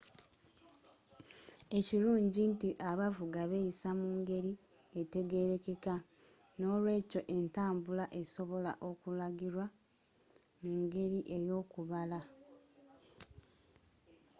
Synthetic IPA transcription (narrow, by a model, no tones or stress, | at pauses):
e̞ciɾuːɲɟintiʔaβavuɡaβejisamuːŋɡe̞ɾi | ete̞ɡe̞ɾe̞ke̞ka | no̞ːlwe̞ːco̞ʔe̞ntaːmbulaʔe̞so̞βo̞laʔo̞kulaɡiɾwa | muŋɡe̞ɾiʔe̞jo̞ːkuβala